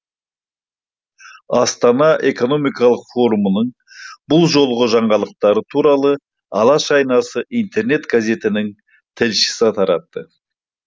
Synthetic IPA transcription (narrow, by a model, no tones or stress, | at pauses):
ɑst̪ɑnɑʔe̞ko̞no̞mijkɑlˠəqfo̞ɾumənəɴ | bʊlˠʒo̞lˠʁəʒɑɴʁɑlˠəq̚t̪ɑɾət̪ʰuɾɑlˠə | ɑlˠɑʃɑjnɑsəʔijnt̪ʰe̞ɾne̞t̪ɡaze̞t̪ɪnɪŋ | t̪ʰɪlʃɪ̥sɪt̪ʰɑɾɑt̪ːə